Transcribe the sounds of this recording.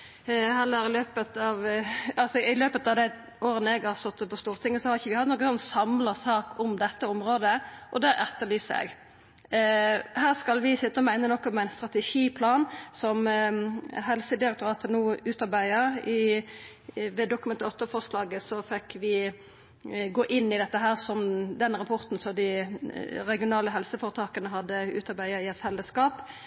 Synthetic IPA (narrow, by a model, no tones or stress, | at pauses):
hɛlːəɾɪløːpət̪ɑʋɑlsɔɪløːpət̪ɑʋd̪æɪ | ʔoːɾənəɛɡɑst̪ɔt̪ːəpʰɔst̪uːʁət̪ʰɪŋːəsɔhɑɾɪçəʋɪhɑt̪noːkːənsɔnsɑmlɑsɑːkʰʊmd̪ɛt̪ːəɔmɾoːd̪əʔɔd̪ɛʔɛt̪ːəɾlyːsɛ̰ɡ | hæːʁskɑlʋɪsɪt̪ːəɔmæɪnənɔkːɔmɛæɪnst̪ʁɑt̪ɛʂiːpʰlɑːnsɔm | ɦɛlsəd̪ɪɾɛk̚t̪ʊɾɑːt̪ənuːʉːt̪ɑʁbæɪəɾɪ | ʋɛd̪ʊkʉmɛnt̪əɔt̪ːəfɔʁslɑːɡəsɔfɛkʋɪ | ɡoːʔɪnːɪd̪ɛt̪ːəɦæːʁsɔmd̪ɛnɾɑpʰɔɾt̪n̩sɔd̪ɪ | ɾɛɡɪʊnɑːləɦɛlsəfoːʁət̪ʰɑːkənəɦɑd̪ːəʉ̰ːt̪ɑɾbæɪəɾɪɛt̪fɛlːəskɑːp